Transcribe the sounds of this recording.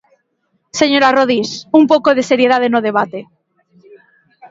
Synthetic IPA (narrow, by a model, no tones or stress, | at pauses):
seɲoɾaroð̞isump̬okoðeseɾjeð̞aðenoðeβ̞at̪e